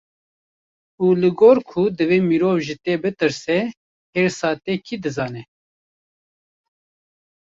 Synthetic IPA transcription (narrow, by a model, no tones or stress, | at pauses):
uːlɨɡoːɾkʰud̪ɨveːmiɾoːvʒit̪eːbɨt̪ɨɾsɛ | eːɾsɑːt̪eːkʰid̪ɨzɑːnɛ